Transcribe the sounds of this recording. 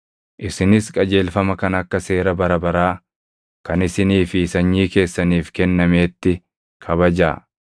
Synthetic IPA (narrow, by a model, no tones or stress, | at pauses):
ʔɪsɪnɪskʼɐd͡ʒe̞ːlfɐmɐkɐnɐkːɐse̞ːɾɐbɐɾɐbɐɾaː | kɐnɪsɪniːfiːsɐɲːiːke̞ːsːɐniːfkɛnːɐme̞ːt̪ːɪ | kʰɐβɐd͡ʒa̰ː